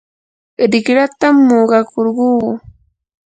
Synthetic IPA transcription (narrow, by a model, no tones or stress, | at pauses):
ɾɪkɾat̪amːoɢɑkoɾɢuː